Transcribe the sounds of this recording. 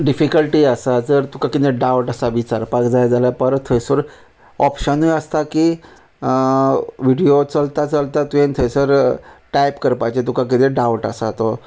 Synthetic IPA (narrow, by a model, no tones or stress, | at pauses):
ɖifikəlʈiːəsad͡zəɾt̪ukakit̪ẽɖawʈəsaʋit͡saɾpakd͡zajd͡zalapəɾt̪ʰəjsəɾ | ɔpɕənujəst̪akiː | ʋiɽiot͡səlt̪at͡səlt̪at̪ujẽnt̪ʰəjsəɾʈajpkəɾpajt͡ɕet̪ukak̬it̪ẽɖawʈə̰sat̪o